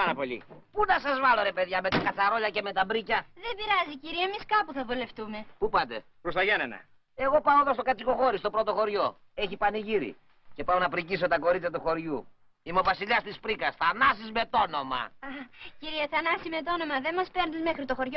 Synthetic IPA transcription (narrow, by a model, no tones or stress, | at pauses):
pɐnɐpo̞ʎḭpunɐsɐzvɐlo̞ɾe̞pe̞ðʝɐme̞t̪ɐkɐt͡sɐɾo̞ʎɐce̞me̞t̪ɐbɾicɐðembiɾɐziciɾiɐemiskɐpuθɐvule̞ft̪ume̞pupɐt̪e̞̰ | pɾost̪ɐʝɐnenɐ̰ | e̞ɣo̞pɐoðo̞st̪o̞kɐt͡siko̞xo̞ɾist̪o̞pɾo̞t̪o̞xo̞ɾʝo̞ | e̞çipɐniʝiɾḭ | ce̞pɐonɐpɾicis̬o̞t̪ɐko̞ɾit͡sɐt̪uxo̞ɾʝu | imo̞vɐsiʎɐst̪ispɾikɐsθɐnɐsizme̞t̪o̞no̞mɐ̰ɐciɾieθɐnɐsime̞t̪o̞no̞mɐðemɐspeɾnd̪izmexɾit̪oxo̞ɾʝo